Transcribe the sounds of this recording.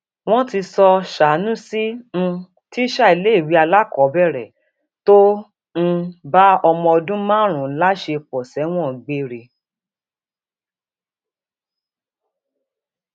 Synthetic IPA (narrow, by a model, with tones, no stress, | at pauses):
w̃ɔ̃˦ti˧sɔ˧ʃa˨˦nũ˦si˦ñ̩˧ | ti˦ʃa˦˨i˧le˦i˦˨wi˨˦a˧la˦kɔ˨˦bɛ˦˨ɾɛ˨ | to˦ | n̩˧ba˦ɔ˧mɔ̃˧ɔ˧dũ˦mãː˦˨ɾ̃ũ˨˦la˦ʃe˧k͡pɔ˨sɛ˨˦w̃ɔ̃˦˨ɡ͡be˦ɾe˧˨